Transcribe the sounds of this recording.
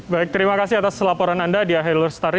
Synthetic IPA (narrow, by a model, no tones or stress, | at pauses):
baɪk̚t̪əɾimakasɪhat̪aslapɔɾanandadiaɦɛlɔrst̪aɾ